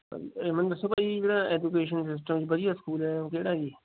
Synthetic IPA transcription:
emɐ̃nd̪sɐbaːid͡ʒeɽãeːd͡ʒukeːʃənsɪs̬ʈəmd͡ʑiːbɐd̪ijaskuːlɛkeɽaːd͡ʒiː

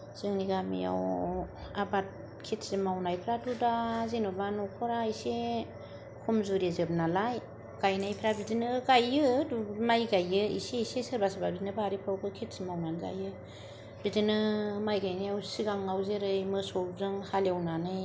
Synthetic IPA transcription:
z̥ɯŋniɡamḭja̰w | abat̚ | kʰit̚simawnajpʰɾatʰudazinubanukʰɔɾaise | kʰumzuɾezɯb̚nalaj | ɡ̥ajnajpʰɾabidinɯɡajɯdmajɡajɯḭsesesəɾbasababidinɯbaɾipʰawkʰɯkʰit̚simawnanza̰jɯ | bidinɯmajɡajnajawsiɡaŋːawzeɾɯjmɯsɔɾzɯŋhaljawnanɯj

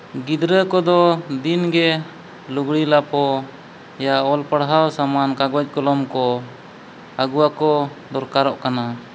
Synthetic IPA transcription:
ɡid̪ɾəkɔd̪ɔd̪inɡɛ | luɡɽilapɔ | jaɔlpəɽɦawsamankaɡɔc̚ˀkɔlɔmkɔ | aɡuwakɔ | d̪ɔɾkaɾɔʔkana

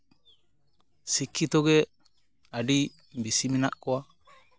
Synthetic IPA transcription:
sikʰːit̪ɔɡɛ | adi | bisiminaʔkɔa

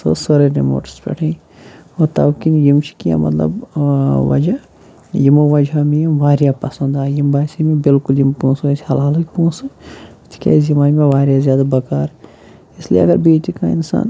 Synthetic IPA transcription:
sɨ̰soɾeɾemo̰ːʈspʲɛ̰ʈʰĩː | oːt̪ɐwkinjimt͡ʃʰi̥kijã̰mɐ̰t̪lɐ̰bʋɐ̰d͡ʒa | jimoʋɐd͡ʒʱamiʋaːɾjapɐsɐ̃nd̪aːjimbaːsimebɪlkuljimpũːsoesʰhɐlaːlɨkʲpũːsɨt̪ʰi̥kʲa̰ːzjimaːnmeʋaːɾjazjaːd̪abɐkaːɾ | isliɐɡɐɾbiːt̪ikainsa̰ːn

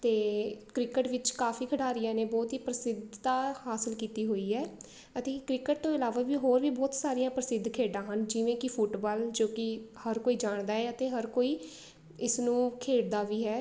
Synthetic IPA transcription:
t̪eːkɾɪkəʈʋɪt͡ʃkaːfʰiːkʰəʈaːɾɪjãːneːbɔːt̪ɦiːpɾəsɪd̪ʱt̪aːhaːsəlkiːt̪iːɦoːiːɦɛː | ət̪eːkɾɪkəʈ̚t̪õːɪlaːʋaːʋiːɦoːɾʋiːbɔːt̪saːɾijãːpɾəsɪd̪ʱkʰeːɖãːɦənd͡ʒɪʋẽːkɪpʰʊʈbaːld͡ʒoːkɪhəɾkoːiːd͡ʒaːɳd̪aːɦɛːət̪eːɦəɾkoːiː | ɪsnũːkʰeːɽd̪aːʋiːɦɛː

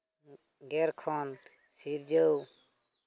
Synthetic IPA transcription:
ɡeɾkʰoːn | siːɾd͡ʒəu

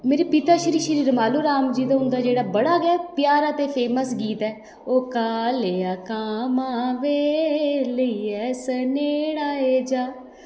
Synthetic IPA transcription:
meːɾiːpit̪aːʃəɾiːʃəɾiːɾmaːloːɾaːmd͡ʒiːd̪ãɦʊ̃nd̪aːd͡ʒeːɽaːbəɽaːɡɛaːpjaːɾaːt̪eːpʰeːməsɡiːt̪ɛː | oːkaːleːaːkaːmaːʋeːləiɛːsəneːɽaːɦeːd͡ʒaː

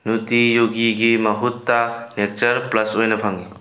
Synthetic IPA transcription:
nutijoɡiɡimɐɦutːanek̚t͡ʃɐɾplɐsojnɐpʰaŋi

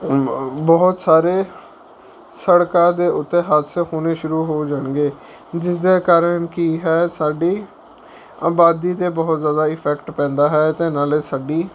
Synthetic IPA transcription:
bɔːʊt̪saːɾeː | səɽkãːd̪eːʊt̪ːeːɦat̪ʰseɦoːneːʃʊɾuːɦoːd͡ʒaːɳɡeː | d͡ʒɪsd̪eːkaːɾənkiːɦɛːsaːɖiː | aːbaːd̪iːt̪eːbɔɦt̪zjaːd̪aːɪpʰɛkʈpɛ̃ːnd̪aːɦɛːt̪eːnaːleːsaːɖiː

